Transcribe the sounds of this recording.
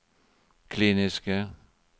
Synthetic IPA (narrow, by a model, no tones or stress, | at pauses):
kʰliːnisɡ̥ə